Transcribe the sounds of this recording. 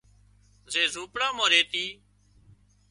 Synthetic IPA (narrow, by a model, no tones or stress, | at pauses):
zeːzuːpɽãːmãːɾeːt̪iː